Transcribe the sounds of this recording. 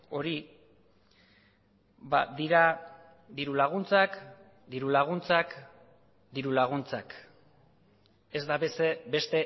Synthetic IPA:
o̞ɾi | ba̰d̪iɾa | d̪iɾulaɣ̞unt͡sak | d̪iɾulaɣ̞unt͡sak | d̪iɾulaɣ̞unt͡sak | e̞zd̪aβe̞sebe̞st̪e̞

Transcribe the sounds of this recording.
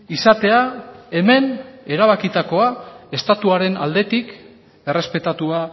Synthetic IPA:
isat̪e̞ae̞me̞ne̞ɾaβ̞akit̪ako̞ae̞st̪at̪uaɾe̞na̰ld̪e̞t̪ik | e̞re̞spe̞t̪at̪ua

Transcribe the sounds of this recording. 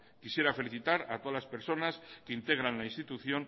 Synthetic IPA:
kisje̞ɾafe̞liθit̪aɾat̪oalaspeɾso̞naskeint̪e̞ɣ̞ɾanlainst̪it̪uθjo̞ŋ

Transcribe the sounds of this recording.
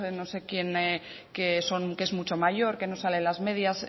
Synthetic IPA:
eno̞se̞kje̞ne | ke̞so̞nkezmut͡ʃo̞maʝo̞ɾke̞no̞sale̞nlazme̞ðjas

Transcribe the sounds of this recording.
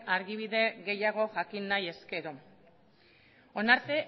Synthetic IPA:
aɾɣiβ̞iðe̞ɣe̞jaɣ̞o̞ʝakinːaje̞ske̞ɾo̞ | onaɾt̪e̞

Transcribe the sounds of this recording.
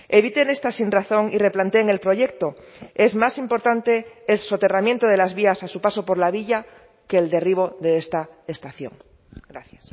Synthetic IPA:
e̞β̞it̪e̞ne̞st̪asinraθo̞ŋire̞plant̪e̞ːŋe̞lpɾo̞ʝe̞k̚t̪o̞ | e̞zmasimpo̞ɾt̪ant̪e̞ːlso̞t̪e̞ramje̞nt̪o̞ðe̞lazβiasasupaso̞po̞ɾlaβ̞iʎa | ke̞ːld̪e̞riβ̞o̞ðe̞est̪aest̪aθjo̞ŋ | ɡ̥ɾaθjas

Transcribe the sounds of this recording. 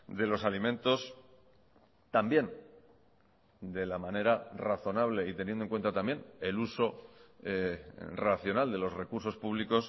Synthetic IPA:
d̪e̞lo̞salimẽ̞nt̪o̞s | t̪ambje̞n | d̪e̞lamãne̞ɾaraθo̞naβle̞it̪e̞njendoeŋkwe̞nt̪at̪ambje̞ne̞luso̞eraθjo̞nald̪e̞lo̞sre̞kuɾso̞spuβliko̞s

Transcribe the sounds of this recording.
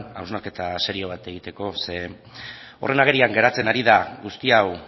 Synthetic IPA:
awznaɾke̞t̪ase̞ɾio̞β̞at̪e̞ɣ̞it̪e̞ko̞se̞ | o̞re̞naɣ̞e̞ɾiaŋɡe̞ɾat͡se̞naɾiðaɣust̪iaw

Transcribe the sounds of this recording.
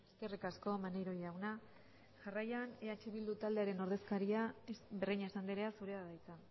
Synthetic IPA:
eske̞rikasko̞manejɾo̞jawna | ʝarajaneat͡ʃiβild̪ut̪ald̪e̞aɾe̞no̞ɾð̞e̞skaɾiaβeriɲaesand̪iɾe̞asuɾe̞aðajt͡sa

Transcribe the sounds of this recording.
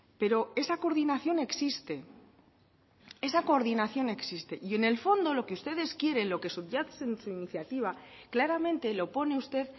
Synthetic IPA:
pe̞ɾo̞e̞sako̞ɾðinaθjo̞ne̞ksist̪e̞ | e̞sako̞ɾðinaθjo̞ne̞ksist̪e̞ʔie̞ne̞lfo̞nd̪o̞lo̞keust̪e̞ðe̞skje̞ɾe̞nlo̞ke̞suʝasensuiniθjat̪iβ̞a | klaɾamẽ̞nt̪e̞lo̞po̞ne̞ust̪e̞ð

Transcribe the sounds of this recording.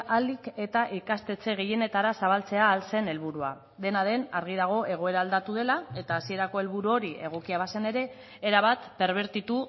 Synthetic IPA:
alike̞t̪aʔikast̪e̞t͡se̞ɣe̞je̞ne̞t̪aɾasaβ̞alt͡se̞aːlse̞ne̞lβuɾua | ðe̞naðe̞naɾɣið̞aɣ̞o̞ʔe̞ɣ̞o̞e̞ɾaːld̪at̪uð̞e̞lae̞t̪aːsie̞ɾako̞e̞lβuɾuo̞ɾiʔe̞ɣ̞o̞kiaβ̞asene̞ɾe̞ː | ɾaβ̞at̪pe̞ɾβ̞e̞ɾt̪it̪u

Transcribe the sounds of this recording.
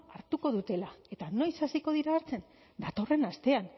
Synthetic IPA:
aɾt̪uko̞ð̞ut̪e̞lae̞t̪ano̞jsasiko̞ð̞iɾaːɾt͡se̞n | d̪at̪o̞re̞nast̪e̞an

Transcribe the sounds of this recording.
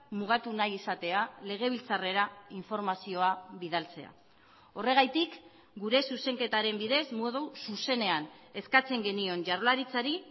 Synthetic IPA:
muɣ̞at̪unajisat̪e̞ale̞ɣ̞e̞βilt͡sare̞ɾaiɱfo̞ɾmasio̞aβiðalt͡se̞a̰ | o̞re̞ɣ̞ajt̪ik | ɡuɾe̞suse̞ŋke̞t̪aɾe̞mbiðe̞zmoðususe̞ne̞ane̞skat͡se̞ŋɡe̞nio̞nd͡ʒaɾlaɾit͡saɾi

